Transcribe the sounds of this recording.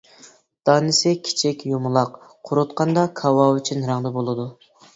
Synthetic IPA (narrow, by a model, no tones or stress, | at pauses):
d̪̥ɑːnɪsɪkʲʰi̥t͡ʃʰɛkʲjumulˠɑqqʰʊɾʊt̪qʰɑnd̪ɑkʰɑwɑyt͡ʃʰynɾæŋd̪ɑbolˠɨd̪u